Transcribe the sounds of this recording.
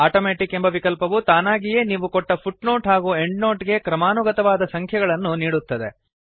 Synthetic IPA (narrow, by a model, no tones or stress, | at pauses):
aːʈoːmeːʈikembɐʋikɐlpɐʋut̪aːnaːɡije̞ːniːʋukɔʈːɐpʰuʈno̞ːʈɦaːɡuːeɳɖno̞ːʈiɡe̞kɾɐmaːnuɡɐt̪ɐʋaːd̪ɐsɐŋkʰjɐɡɐɭɐnːuniːɽut̪ːɐd̪e̞